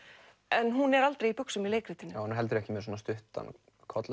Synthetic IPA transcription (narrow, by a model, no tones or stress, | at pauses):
ɛnɦunɛɾalt̪ɾejipʏksʏmileːjkɾɪt̪ɪnːawnuɦɛlt̪̬ʏɾɛhcɪmɛɾs̬ɔːnast̪ʏht̪a̰n | kʰɔt̪l